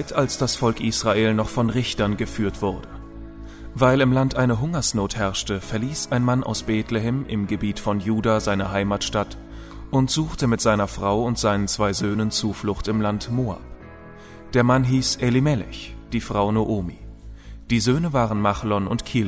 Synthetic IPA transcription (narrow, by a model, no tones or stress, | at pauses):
tʰalsd̥asfɔlkʔiːsʁ̥aʔeːlnɔχfɔnʁɪçtɐnɡəfyːɐtv̥ʊɐdə | vaɪlɪmlantʔaɪnəɦʊŋɐsnoːthɛɐʃtəfɛɐliːsʔaɪnmanʔa̰ʊsb̥eːtleɦɛmʔɪmɡəbiːtfɔnjuːdaːzaɪnɐɦaɪmaːtʃtat | ʔʊntz̥uːxtəmɪtz̥aɪnɐfʁ̥aʊʊntz̥aɪnənt͡sv̥aɪzøːnənt͡suːflʊxtɪmlantmoːa̰p | d̥eːɐmanɦiːsʔelimɛlɪ̰çd̥iːfʁ̥aʊnoʔoːmiːd̥iːzøːnəvaːʁənmaχlɔnʊntkʰiːl